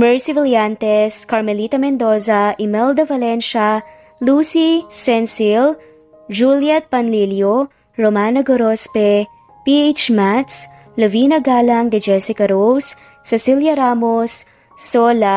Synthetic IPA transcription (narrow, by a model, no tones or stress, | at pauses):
mɛɹsɪvɪljant̪ɛskɐɹmɛlit̪ɐmɛnd̪oːsɐʔɪmɛld̪ɐvɐlɛnʃɐ | luːsisɛnsil | d͡ʒuljɛt̪̚pɐnliljo | ɹomaːnɐɡoɾospɛ | piejt͡ʃmat̪s | loviːnɐɡaːlɐŋd̪ɪd͡ʒɛsɪkɐɾowsː | ɛsiljɐɾaːmosː | oːlɐ